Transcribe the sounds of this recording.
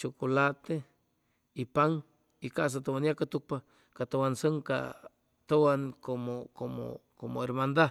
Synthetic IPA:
t͡ʃokolat̪e | ipaŋ | ikaʔs̬at̪owanjakat̪uk̚pa | kat̪owansəŋka̰ | t̪owankomokomo̰komoeɾmand̪a

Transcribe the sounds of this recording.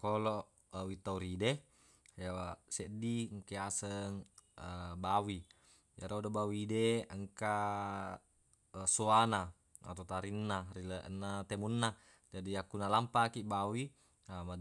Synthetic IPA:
koloʔ | awit̪auɾide | jawaseʔdiŋkeasəŋəbawi | jaɾodobawideəŋka | soana | a̰t̪ot̪aɾinːariləʔnːat̪emunːa | d͡ʒadiakːunalampakiʔbawi | ama

